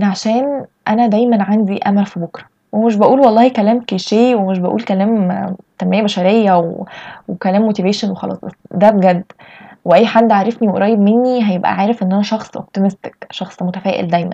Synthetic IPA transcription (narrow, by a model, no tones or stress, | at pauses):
ʔnʕaʃæːnʔænæd̪æjmænʕand̪iʔæmælfibokɾˤɑ | wemeʃ̬bæʔuːlwɑlˤːɑːhikælæːmkeʃeːwemeʃ̬bæʔṵːlkælæːmt̪æmːæːjæbæʃæɾejːæwewekælæːmːot̪iveːʃænwexɑlɑ̰ːsˤæd̪æbɡæd̪ːweʔæjːħad̪ːʕaːɾˤefniweɾˤɑjebmenːiɦæjebʔæ̰ʕaːɾefʔenːʔænæʃɑxsˤʔo̰p̚t̪imest̪ekʃɑxsˤmot̪æfæːʔḛld̪æjmæ̰n